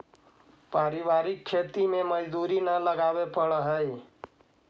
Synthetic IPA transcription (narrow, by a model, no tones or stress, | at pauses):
paɾibaɾikʰːet̪imeməd͡ʒd̪uɾinələɡabepəɽəɦəj